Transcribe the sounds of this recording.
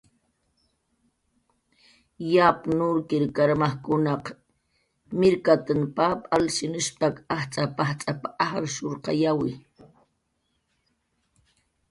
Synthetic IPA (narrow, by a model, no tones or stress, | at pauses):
japnʊɾkɪɾkaɾmaχkʊnɑq | mɪɾkat̪anpapʼalsɪnʊʃpakaχt͡sʼapaht͡sʼapaʔaχɾʃoɾqɑ̰jawɪ